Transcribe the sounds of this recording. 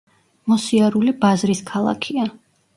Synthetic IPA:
mɔsiaɾulibazɾiskʰalˠa̰kʰia

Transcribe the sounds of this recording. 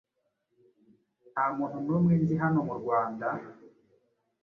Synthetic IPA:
amuːn̥unumwiːnziɦanomuɾɡwaːnda

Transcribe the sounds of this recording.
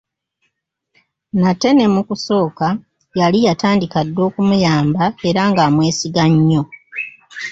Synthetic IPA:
natːe̞ne̞mukuso̞ːka | jalijataːndikadːo̞ːkumujaːmbae̞ɾaŋɡaːmwe̞ːsiɡaɲːo̞

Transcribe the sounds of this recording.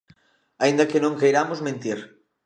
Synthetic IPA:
aind̪ɐkɪnõŋkejɾamʊzmẽnt̪iɾ

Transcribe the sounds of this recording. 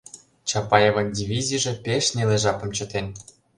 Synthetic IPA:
t͡ɕɑpɑjevɤ̆nʲdʲivʲizʲiʐĕpʲeʃnʲelʲeʐɑpɤ̆mt͡ɕɤ̆t̪enʲ

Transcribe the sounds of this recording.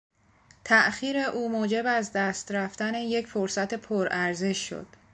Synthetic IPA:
t̪ʰæʔxiːɾe̞ʔuːmoːd͡ʒe̞bæzd̪æːst̪ɾæft̪æne̞je̞cfoɾsæt̪ʰe̞pʰoɾʔæɾze̞ʃːo̰d̪̥

